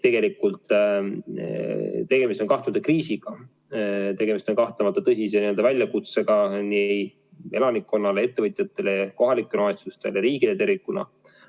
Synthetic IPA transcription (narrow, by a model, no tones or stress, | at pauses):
t̪e̞ɡ̥e̞likːˑult̪ˑ | t̪e̞ɡ̥e̞mist̪o̞nkɑht̪umɑt̪ːɑkriːsiɡ̥ɑ | t̪e̞ɡe̞mist̪o̞nkɑht̪lemɑt̪ːˑɑt̪ɤsʲis̬eniø̞ld̪ɑvælʲjɑkut̪seɡ̥ɑniej | e̞lɑnikːˑo̞nːɑle̞e̞t̪ːevɤjt̪ʲˑjɑt̪ːˑe̞leko̞ɦɑlikːˑelomet̪sust̪e̞leɾiːɡilet̪e̞rvikːˑunɑ̰